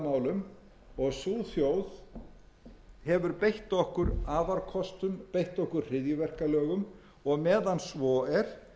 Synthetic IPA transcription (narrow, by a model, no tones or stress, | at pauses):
maːwlʏm | ɔɣsuːθjowð | hɛvʏɾpejht̪ɔhkʏɾaːvaɾkʰɔst̪ʏmpejht̪ɔhkʏɾ̥r̥ɪðjʏvɛr̥kalœːɣʏm | ɔɣmɛːðansvɔːɛɾ̥